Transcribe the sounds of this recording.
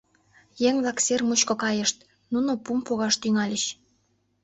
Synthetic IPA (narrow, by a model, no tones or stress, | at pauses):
jeŋβlˠɑksermut͡ɕkŏkɑjə̆ʃt̪ | nunopumpoɣɑʃt̪yŋɑlʲəɕ